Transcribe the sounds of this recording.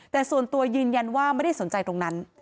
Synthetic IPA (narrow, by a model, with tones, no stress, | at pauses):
t̪ɛː˨˩su˨˩ənt̪u˧ɐjɯː˧nja˧nwaː˥˩ma˥˩jda˥˩so˩˦nt͡ɕa˧jt̪ɾo˧ŋna˦˥n